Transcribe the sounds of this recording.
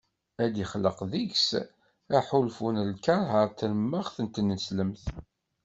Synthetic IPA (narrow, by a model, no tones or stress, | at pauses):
æd̪iχələqðiʝs | æħulfunəlkɑɾˤɦəɾˤt̪əɾəmːəʁθənt̪nəsləmθ